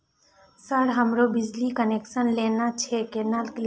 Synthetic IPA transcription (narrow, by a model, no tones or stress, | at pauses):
səɽɦəmɾobɪd͡ʒlikəneːkʃənleːnat͡ʃʰekenaːlk